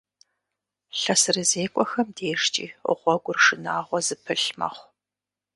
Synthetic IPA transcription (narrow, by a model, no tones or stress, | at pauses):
ɬɐsɨrɨzeːkʷʼɔxɐmdeːʂt͡ʃʼḭːʊ̰ʁʷɔɡʷʊrʂɨnaːʁʷɔzɨpʰɨɬmɐ̰χʷ